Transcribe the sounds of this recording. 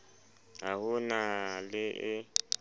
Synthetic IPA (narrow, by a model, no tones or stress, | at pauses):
ahunalɪʔɪ